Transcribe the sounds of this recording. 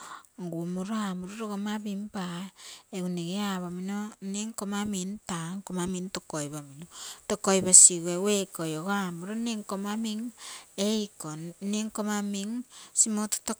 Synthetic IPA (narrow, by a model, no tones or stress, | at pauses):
ɡumuɾoamuɾoɾoɡomabimpaeɡuneɡeaβaminoneŋkomamintaŋkomamintokojbaminotokojbasiɡuewekojoɡoamuɾoneŋkomamiŋejkoneŋkomamiŋsimoto̥to